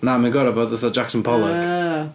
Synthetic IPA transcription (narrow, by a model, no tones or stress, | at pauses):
namanɡɔɾəbɔdəθɔd͡ʒaksənpʰɔlˠəɡ̥